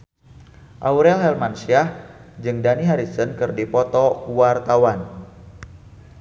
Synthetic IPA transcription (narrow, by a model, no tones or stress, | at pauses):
ʔawɾɛlɦɛlmansiahd͡ʒɨŋdaniɦaɾisənkɨrdipɔt̪ɔkuwart̪awan